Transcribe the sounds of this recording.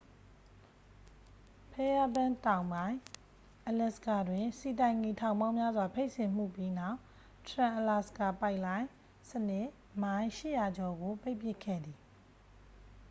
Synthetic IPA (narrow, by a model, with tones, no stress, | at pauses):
pʰɛ˦ja˦bã˦tã˨ʊ̃mbã˦ɪ̃ | ʔəlɛ˨sə̥ka˨dwɪ̃˨si˨tã˨ɪ̃ŋi˨tʰã˨ʊ̃mbã˦mja˦zwa˨pʰe˦ɪʔsɪ̃˨m̥ṵ˦˨pji˦na˦ʊʔ | tʰəɹã˨ʔəla˨sə̥ka˨pa˦ɪʔlã˦ɪ̃ | sənɪ˦˨ | mã˦ɪ̃ʃɪ̰˦˨ja˨d͡ʑɔ˨ɡo˨pe˦ɪʔpjɪ˦˨kʰːɛ̰˦˨d̪i˨